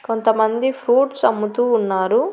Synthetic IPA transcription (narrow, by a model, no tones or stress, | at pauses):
kont̪ɐmɐnd̪ipʰɾuːʈsɐmːut̪uːnːaːɾu